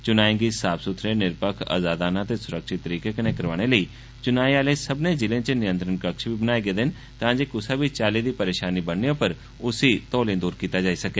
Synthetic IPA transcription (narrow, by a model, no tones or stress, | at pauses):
t͡ʃʊnaːɪ̃ŋɡiːsaːbsʊt̪ʰɾeːnɪɾpəkʰa̰ːzaːd̪aːnãːt̪eːsʊɾəkʃɪt̪ːəɾiːkeːkənẽːkəɾʋaːɽ̃eːləiː | t͡ʃʊnaːiaːleːsəbnẽːd͡ʒɪlẽːt͡ʃənɪjə̃nt̪ɾənkəkʃbʱiːbənaːeːɡeːd̪ɪn | t̪ãːd͡ʒeːkʊsaːbʱiːt͡ʃaːliːd̪iːpəɾeːʃaːniːbənneoːpəɾ | ʊsiːt̪ɔːlẽːd̪uːɾkiːt̪aːd͡ʒaːiːsəkeː